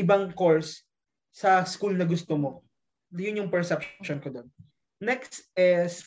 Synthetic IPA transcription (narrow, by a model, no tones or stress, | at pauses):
ɪbɐŋkoɹsː | ɐskulnɐɡʊst̪omo | jʊnjʊŋpɛɹsɛp̚ʃonkod̪on | nɛksʔɛs